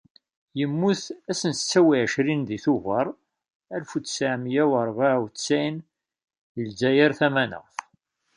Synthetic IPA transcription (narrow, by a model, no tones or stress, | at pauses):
jəmːuθæsənt͡sːæwiʕəʃɾinðiθuvəɾˤ | ælfut͡ssaʕmjæwəɾˤvaʕwt͡st͡sːæjn | jəlzæjəɾθæmænə̰ʁθ